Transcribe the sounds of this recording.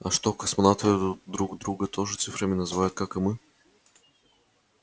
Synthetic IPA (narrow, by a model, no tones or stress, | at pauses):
ɐʃt̪ɔkɐsmonat̪ovʲɛd̪od̪ɾuɡd̪ɾuɡət̪ʰɔʒɨt̪sɨfɾəmʲinɐzvajʊt̪̚kakɐmɨ